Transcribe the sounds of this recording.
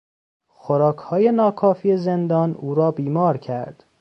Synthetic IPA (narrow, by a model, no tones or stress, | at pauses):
xoɾɒːkʰhɒːje̞nɒːkʰɒːfiːezend̪ɒːnuːɾɒːbiːmɒːɾcʰæɾd̪̥